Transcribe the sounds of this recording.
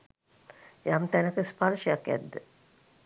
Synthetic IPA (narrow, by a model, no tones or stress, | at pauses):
jamt̪ænəkəspaɾʃəjakːæ̰d̪ːə